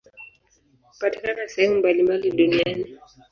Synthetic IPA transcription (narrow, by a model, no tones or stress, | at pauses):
u̥pati̥kanaasɛhɛmumbalimbaliɗuniani